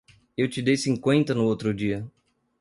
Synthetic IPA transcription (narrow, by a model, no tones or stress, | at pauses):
ewt͡ʃɪd̪ejsĩŋkwẽnt̪ɐnʊowt̪ɾʊd͡ʒiɐ